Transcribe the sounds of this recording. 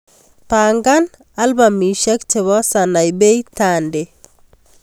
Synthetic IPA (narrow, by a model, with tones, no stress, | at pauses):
pa˨ŋɡa˦n | a˦lba˨mi˨ʃe˦kt͡ʃe˨βɔ˦sa˨na˨jbe˦jtande˨